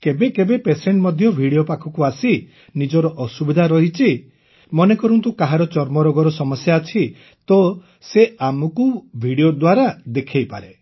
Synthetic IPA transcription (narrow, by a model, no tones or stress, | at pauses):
kebekebepeseɳʈmɔd̪ʱjɔbʱiɽiopakʰɔkuasi | nid͡ʒɔɾɔʔɔsubid̪ʱaɾɔɦit͡ʃʰi | mɔnekɔɾɔnt̪ukaɦaɾɔt͡ʃɔɾmɔɾɔɡɔɾɔsɔmɔsjaːt͡ʃʰi | t̪ɔ | seamɔkubʱiɽiod̪waɾad̪ekʰejpaɾe